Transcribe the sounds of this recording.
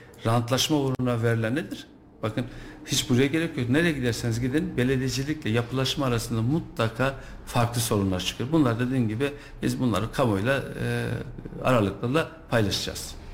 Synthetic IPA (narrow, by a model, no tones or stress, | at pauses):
ɾant̪lˠaʃmaoɾuunavɛɾlʲæɾned̪iɾ̥ | b̥akʰɯnhit͡ʃbuɾajaɟeɾecʰjoɾne̞ɾɛɛɟid̪æɾsinizɟid̪inbe̞lʲe̞d̪id͡ʒilʲiclʲɛjapʰɯlˠaʃmaːɾasɯnd̪amut̪lˠakʰaː | faɾklˠɯso̞ɾunlˠaɾt͡ʃʰɯ̥kʰɯɾbunlˠaɾd̪e̞d̪iːnɟibi | bizbunlˠa̰ɾɯkʰamojlˠa̰ | a̰ɾalˠɯklˠalˠa | pʰajlˠaʃɯd͡ʒa̰z̥